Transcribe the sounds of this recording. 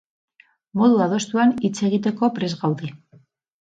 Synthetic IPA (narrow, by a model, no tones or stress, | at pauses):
mo̞ðuað̞o̞st̪uanit͡se̞ɣit̪e̞ko̞pɾe̞zɣawðe